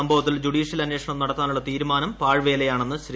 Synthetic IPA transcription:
ɐmbʱɐʋɐt̪ːild͡ʑuɽiːɕjɐlɐnːeːʂɐɳɐmnɐɽɐt̪ːaːnuɭːɐt̪iːɾumaːnɐmpaːɻʋe̞ːlejaːɳenːɨɕɾ

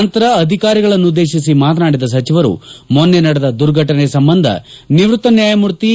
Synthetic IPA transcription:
nt̪ɐɾɐːd̪ʱikaːɾiɡɐɭɐnːud̪e̞ːʃis̬imaːt̪ɐnaːɽid̪ɐs̬ɐt͡ʃiʋɐɾṵmonːenɐɽed̪ɐd̪uɾɡʱɐʈɐnesɐmbɐnd̪ʱɐ̰niʋɾut̪ːɐnjaːjɐmuɾt̪i

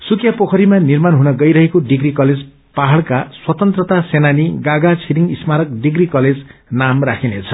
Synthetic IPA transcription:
sukʰjapokʰʌɾimanirmanɦunʌɡʌjɾʌɦekoɖiɡɾikʌled͡z | paɦaɭkaswʌt̪ʌnt̪rʌt̪asenaniɡaɡat͡sʰiɾiŋismaɾʌk̚ɖiɡrikʌled͡znamrakʰinet͡sʰʌ̥

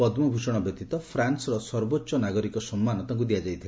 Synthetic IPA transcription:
ɔd̪mɔbʱusɔɽ̃ɔbjɔt̪it̪ɔpʰɾansɾɔsɔɾbotːʃɔnaɡɔɾikɔsɔmːanɔt̪aŋk̬ud̪ijad͡ʒajt̪ʰil

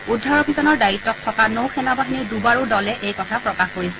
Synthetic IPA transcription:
udʱːɔɹobʱisɔnɔɹdaɹitːɔk̚tʰɔkanowxɛnabaɦinidubaɹodɔlɛʔejkɔtʰapɹɔkaxkoɹisɛ

